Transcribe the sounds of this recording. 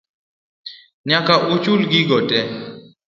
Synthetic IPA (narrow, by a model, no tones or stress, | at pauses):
ɲakaʔʊt͡ʃulɡɪɡɔtʼɛ